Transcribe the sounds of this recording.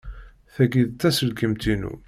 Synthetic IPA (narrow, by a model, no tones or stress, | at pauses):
θæɡiðt̪ːæsəlkəmt̪inṵ